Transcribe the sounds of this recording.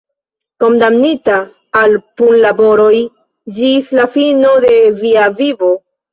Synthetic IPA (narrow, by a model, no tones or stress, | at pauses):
ko̞ndamnitaː | lpunlabo̞ɾo̞j | d͡ʒislafino̞de̞viavivo̞